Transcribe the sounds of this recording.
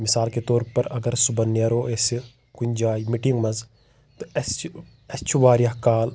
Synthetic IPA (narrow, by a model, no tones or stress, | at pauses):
misaːlket̪oːɾpɐɾɐɡɐɾsubɐnɐɾoːesi | kunʲd͡ʒaːimiʈiŋɡmɐz | t̪ɨɐs | ɐst͡ʃʰuʋaːɾjaɦkaːl